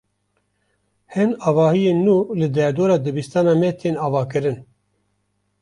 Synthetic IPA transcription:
hɛnɑːvɑːhijeːnːuːlɨd̪ɛɾd̪oːɾɑːd̪ɨbist̪ɑːnɑːmɛt̪ʰeːnɑːvɑːkɨɾɨn

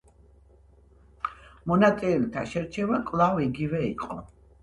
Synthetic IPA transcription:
mɔnat̪ʼiɛlt̪ʰaʃɛɾt͡ʃʰɛvakʼlˠaviɡivɛiqʼɔ̰

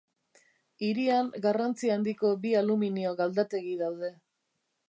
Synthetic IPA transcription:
iɾiaŋɡarant͡siand̪iko̞bialuminio̞ɣald̪at̪e̞ɣiðawð̞e̞

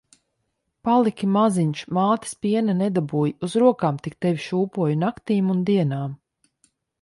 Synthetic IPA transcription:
palˠikʲimaziɲʃmaːt̪i̥spʲiɛnanɛd̪abuːjuzɾuɔkaːmt̪ik̚t̪ɛvʲiʃuːpuɔjunakt̪iːmund̪iɛnaːm

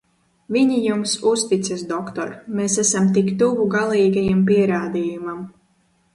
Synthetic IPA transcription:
viɲijumsust̪it̪sɨsd̪ɔkt̪ɔ̰ɾmeːsæsamt̪ikt̪uvuɡalˠiːɡajampiɛɾaːd̪iːjumam

